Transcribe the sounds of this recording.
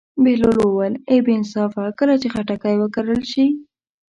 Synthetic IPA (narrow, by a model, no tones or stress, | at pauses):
beloləwəlebɪnsɑfakəlat͡ʃexaʈakajwəkaɾəlʃi